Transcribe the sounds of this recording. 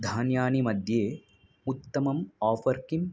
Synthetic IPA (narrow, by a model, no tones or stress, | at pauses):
d̪ʱaːnjaːnimɐd̪ʱjeː | ut̪ːɐmɐmaːfɐɾkim